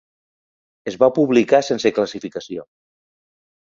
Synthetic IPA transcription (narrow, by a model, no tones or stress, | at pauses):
ezβapuβlikasensəkləsifikəsio